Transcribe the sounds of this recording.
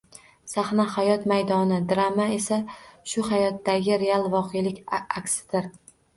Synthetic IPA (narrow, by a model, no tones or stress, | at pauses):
saχnahajɒt̪majd̪ɒnɪd̪ɾamae̞saʃʊhajɒt̪ːaɡʲɪɾe̞alˠvɒqʰejlɪkʲakʲsɪ̥d̪̥ɪɾ